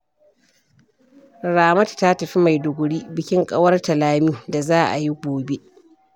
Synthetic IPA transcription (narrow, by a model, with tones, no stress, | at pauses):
ɾaː˨mɐ˦tta˦tɐ˨ɸi˦ma˨jdʊ˨ɡʷʊ˨ɽiː˦bɪ˨kʲɪ˦ŋkʼɐ˦wɐ˦rtɐ˨laː˦miː˦da˨zaː˦ʔa̰˨ji˦ɡʷoː˨be˦ʔ